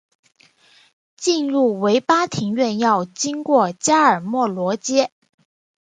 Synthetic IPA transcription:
t͡ɕi˥˧nɻu˥˩we˧˥ɪpa˥t̪ʰi˧˥ŋɥɛ˥˧njɑ˥˩ʊt͡ɕi˥nkwɔ˥˩t͡ɕja˥ə˞˨˩mwɔ˥˩lwɔ˧˥t͡ɕjɛ˥

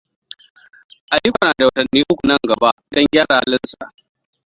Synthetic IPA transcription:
ʔa˨liː˦kʷa˨naː˨da˨wɐ˦tɐ˨nːiː˦ʔʊ˦kʷu˨nɐ˦ŋɡɐ˨ba˦ʔdɔ˦ŋɡʲaː˦ɽaː˨lɪ˦nsa˨ʔ

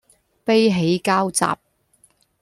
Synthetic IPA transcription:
pe˥jɦe˨˥jkaː˥wt͡sa̰ː˨p̚

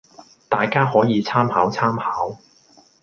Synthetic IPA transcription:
t̪aː˨jkaː˥hɔː˨˥jiː˨˧t͡sʰaː˥mhaː˨˥wt͡sʰaː˥mhaː˨˥w

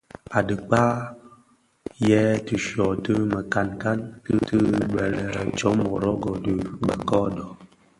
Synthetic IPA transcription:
a˨də˨k͡pa˦ | jɛ˦tɨ˨ʃɔ˨tɨ˦mə˨ka˨nka˦ntɨ˦tɨ˦ɓɛ˨lɛ˨a̰˨t͡ʃɔ˨˦mɔ˨ɾɔ˦ɡɔ˨də˨ɡ͡ba̰˨kɔ˦dɔ˨

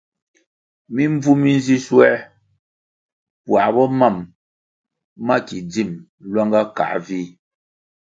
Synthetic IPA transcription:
mi˦ɱ˦b͡vu˦mi˦n˦zi˦swɛ˦ | pwa˨bɔ˦ma˦˨m | a˦ki˨d͡zi˦˨m | lwa˦ŋɡa˦ka̰˨ʔvi˦

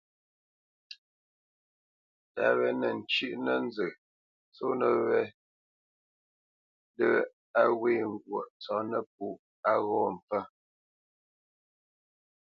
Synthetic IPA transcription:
ta̰˨wɛ˦nə˨n̩˨t͡ʃʉ˦ʔnə˦n̩˦zə˨ | t͡so˦nə˨wɛ˦ | də˦ | a˦we˦˨ŋ̩˨ɡwo˨ʔt͡sɔ˨˦nə˦p̚u˨ | a˦ɣɔ˦˨m̩˨p͡fə˦

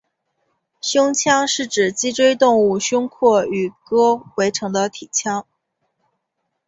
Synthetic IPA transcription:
ɕjʊ˥ŋt͡ɕʰjɑ˥ŋʂɻ̩˥˩ʈ͡ʂɻ̩˨˩t͡ɕi˥ʈ͡ʂwe˥ɪt̪ʊ˥˧ŋu˥˩ɕʊ˥ŋkʰwɔ˥˩y˨˩kɤ˥we˧˥ɪʈ͡ʂʰɤ˧˥ŋd̪ə˧t̪ʰi˨˩t͡ɕʰjɑ˥ŋ

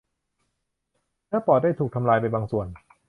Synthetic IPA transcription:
t̪ʰaː˥˩pɔː˨˩jdaː˥˩jt̪ʰuː˨˩k̚t̪ʰa˧mlaː˧jpa˧jbaː˧ŋsu˨˩ən

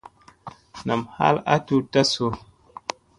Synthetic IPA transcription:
na˨mha̰˦la̰˦tu˦ta˦so˦

